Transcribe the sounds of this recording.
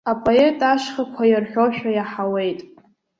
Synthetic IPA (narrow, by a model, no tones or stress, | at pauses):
apʼo̞e̞tʼaʃχakʷʰajarħᶣo̞ʃᶣajaħawe̞jtʼ